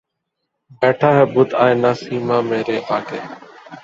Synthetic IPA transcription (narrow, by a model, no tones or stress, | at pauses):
bɛːʈʰaːɦɛːbʊd̪aːẽːnãːsiːmãːmeːɾeːʔaːkʰeː